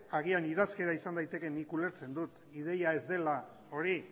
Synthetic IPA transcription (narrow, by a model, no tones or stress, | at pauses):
aɣ̞ianið̞aske̞ɾaisand̪ajt̪e̞ke̞nikule̞ɾt͡se̞nd̪ut̪ | iðe̞jae̞zd̪e̞la | o̞ɾi